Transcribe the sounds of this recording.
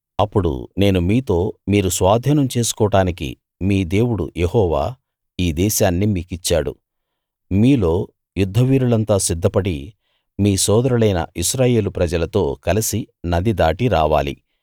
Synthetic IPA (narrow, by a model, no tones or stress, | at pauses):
ɐpːuɽṵne̞ːnumiːt̪o̞ːmiːɾusʋaːd̪ʱiːnɐmt͡ʃe̞ːsu̥kɔːʈaːnikḭ | miːd̪e̞ːwuɽṵjehɔːʋa̰ː | iːd̪ɛːʃaːnːimiːkit͡ʃːaːɽṵ | miːlo̞ː | jud̪ʱːɐʋiːɾulɐnt̪aːsid̪ʱːɐpɐɽi | miːsɔːd̪ɐɾulɐjnɐ̰ʔiʃɾaːje̞ːlupɾɐd͡ʒɐlɐt̪o̞ːkɐlisi | nɐd̪id̪aːʈiɾaːʋa̰ːlḭ